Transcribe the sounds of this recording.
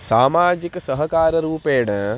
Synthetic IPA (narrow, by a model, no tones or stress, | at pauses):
saːmaːd͡ʒiksɐɦɐkaːɾɐɾuːpeːɽɐ̃